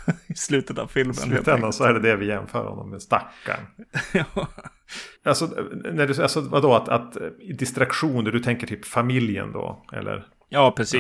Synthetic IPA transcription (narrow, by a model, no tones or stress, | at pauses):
ɪslʉ̟ːt̪ət̪a̰vfɪlmə̰t̪ɛnd̪asɔæɖɛd̪ɛvɪjɛmfœ̰ːɾhɔ̰nːɔmːɛst̪akːa̰ɳɑ | alsɔnæɖɵalsɔvad̪oat̪at̪ɪd̪ɪst̪ɾakɧuːnd̪æɖɵt̪ʰɛŋkəʈʰyːpfamɪljə̰nd̪o̰ːɛ̰lːə̰ɾ | jɑːpʰɾɛsiː